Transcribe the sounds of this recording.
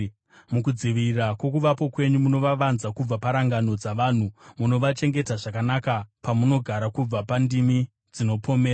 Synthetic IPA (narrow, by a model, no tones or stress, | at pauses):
mukud͡ziʋirakwo̞kuʋapo̞kwe̞ɲumuno̞ʋaʋanzakub͡vapaɾaŋɡano̞d͡zaʋan̤umuno̞ʋat͡ʃe̞ŋɡe̞taʐakanakapamuno̞ɡʱaɾakub͡vapandimi | d͡zino̞pʰo̞meːra